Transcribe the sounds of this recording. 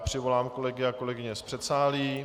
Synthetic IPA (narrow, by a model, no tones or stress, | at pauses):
pr̥ɪvo̞laːmkolɛɡɪako̞lɛɡɪɲɛspr̥ɛt̪saːliː